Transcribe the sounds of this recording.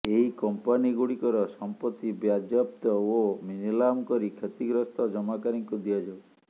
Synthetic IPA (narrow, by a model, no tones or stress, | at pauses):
eɦikɔmpaniɡuɽikɔɾɔsɔmpɔt̪ːibjad͡ʒɔpt̪ɔominilamkɔɾikʰet̪iɡɾɔst̪ɔd͡ʒɔmakaɾiŋkud̪iad͡ʒaw